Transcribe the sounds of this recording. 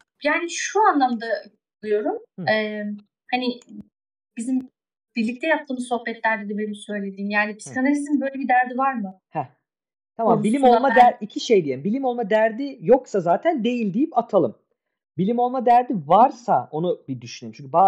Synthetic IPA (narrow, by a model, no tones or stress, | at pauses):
jaːniʃuanlˠamd̪a | lˠɯjo̞ɾumɛː | hanɪ | bizim | b̥iɾlʲic̚t̪ʰɛjap̚t̪ʰːɯːmɯzso̞hbɛt̪lʲæɾd̪ɛd̪ɛbenimisø̞jlʲe̞d̪iːmjaːnipʰisi̥kʰanalʲiszinbø̞jlʲebid̪æɾd̪ivaɾmɯ | hɛ | t̪ʰamammbilʲimo̞llˠmad̪æɾicʰiʃe̞jd̪ijelʲimbilʲimo̞lˠmad̪æɾd̪ijo̞ksazaːt̪ʰænd̪e̞jilʲd̪ijipat̪ʰalˠɯm | bilʲimo̞lˠmad̪æɾd̪ivaɾsao̞nubid̪yʃynømt͡ʃʰyɲcʰybaː